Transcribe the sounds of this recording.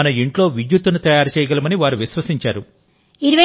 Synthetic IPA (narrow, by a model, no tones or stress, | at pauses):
ɐnɐiɳʈlo̞ːʋid͡ʒ̪jut̪ːunut̪ɐjaːɾt͡ʃɛːjɐɡɐlɐmɐniʋaːɾuʋiʃʋɐsiɲt͡ʃaːɾu | iɾuʋɐ